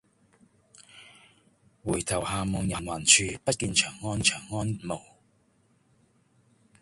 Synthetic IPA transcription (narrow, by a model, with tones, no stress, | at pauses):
wuː˨˩jt̪ʰɐ˨˩whaː˨˧mɔ˨˧ŋjɐ˨˩nwaː˨˩nt͡ʃʰyː˧pɐ˥t̚kiː˧nt͡ʃʰœː˨˩ŋːɔː˥nt͡ʃʰœː˨˩ŋːɔː˥nmo˨˩w